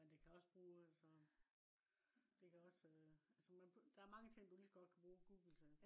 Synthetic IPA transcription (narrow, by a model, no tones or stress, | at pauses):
mend̥e̝kʰæɒ̽sb̥ʁuːælsɒ | d̥e̝kʰæɒ̽søælsɒmænbd̥ɑæɐmɑ̈ŋət͡sʰe̝ŋ̰d̥ulisɒɡ̥ɒ̽d̥̚kʰæb̥ʁuːɡ̥ṵːɡ̥l̩sʰæ